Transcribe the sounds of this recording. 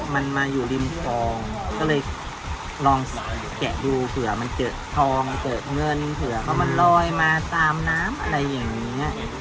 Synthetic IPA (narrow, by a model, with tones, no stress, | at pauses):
ma˧nmaː˧juː˨˩li˧mfɔː˧ŋkɔː˥˩lɤː˧j | lɔː˧ŋ˨˩ | kɛ̰˨˩duː˧pʰɯ˩˦ɐ˦ma˧nkɤː˨˩t̪̚t̪ʰɔː˧ŋkɤː˨˩t̪̚ŋɤ˧˩nːi˧npʰɯ˨˩˦ɐ˦pʰɔ˦˥ma˧nlɔː˧˩jmaː˧t̪aː˧mnaː˦˥mʔa̰˧ɾa˧jːa˨˩ŋniː˦˥ɐ